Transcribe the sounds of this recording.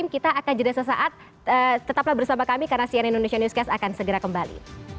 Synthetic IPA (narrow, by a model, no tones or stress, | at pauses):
ɪmkit̪aːkand͡ʒədasəs̬a̰ʔat̪̚ | ət̪ət̪aplahbərsamakamikarənasianindonesianuskasakansəɡəɾakəmbalḭ